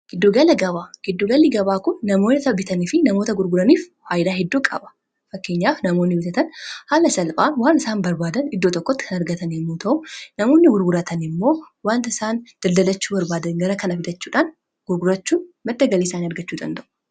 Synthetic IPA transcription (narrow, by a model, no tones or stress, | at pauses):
ɡ̥ɪd̪ːoɡɐlɐɡɐβaːɡ̥ɪd̪ːoɡɐlːɪɡɐbaːkʊnːɐmo̞ːnɪt̪ɐbɪt̪ʰɐnifɪnɐmo̞ːt̪ɐɡʊɾɡʊɾɐniːffaːjd̪aːhɛd̪ːuːkʼɐ̰bɐ̥ | fɐkːe̞ːɲːaːfnɐmo̞ːnːɪbɪt̪ɐt̪ɐnhaːlɐsɐlpʼaːnwaːnɪsaːnbɐɾbaːd̪ɐnɪd̪ːot̪ɔkːɔt̪ːɪ̥kʰɐnɐɾɡɐt̪ɐnɪmːoːt̪ʰɐʔʊnɐmo̞ːnːɪɡʊɾɡʊɾɐt̪ʰɐnɪmːo̞ː | waːnt̪ɐɪsaːnd̪̥ɐld̪ɐlɐt͡ʃːuːbɐɾbaːd̪ɐnɡɐɾɐkɐnɐfɪd̪ɐt͡ʃːuːᶑaːn | ɡ̥ʊɾɡʊɾɐt͡ʃːuːmɐd̪ːɐɡɐleːsaːnɪɐɾɡɐt͡ʃːuːd̪ɐ̰nd̪ɐʔʊ̥